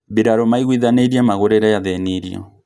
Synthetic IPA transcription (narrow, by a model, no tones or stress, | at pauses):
beɾaɾɔmaiɣwiðaneɾiamaɣoɾɛɾajaðɛniɾiɔ̰